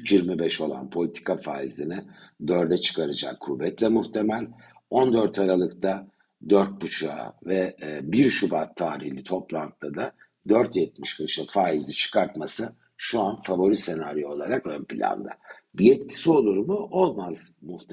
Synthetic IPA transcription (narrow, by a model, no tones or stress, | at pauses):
jiɾmibɛʃo̞lˠa̰npʰo̞lʲit̪ʰi̥kʰafaːizʲinɪd̪øɾd̪ɛt͡ʃʰɯ̥kʰaɾad͡ʒa̰kʰːuːbɛt̪lʲɛmuht̪ʰe̞mælʲ | o̞nd̪øɾt̪ʰaɾalˠɯkt̪ʰa | d̪øɾt̪̚but͡ʃʰa̰vɛbiɾʃubat̪ʰːaːɾihlʲit̪ʰo̞plˠant̪̚ːad̪a | d̪øɾt̪jɛt̪̚miʃkɯʃafaːizʲit͡ʃʰɯ̥kʰaɾt̪masɯ | ʃuanfavo̞ɾit̪senaɾijo̞lˠaɾakønpilʲa̰nd̪a̰ | biɛt̪cʰi̥sio̞lˠuɾmʊʔo̞lˠmaz̥muht̪ʰ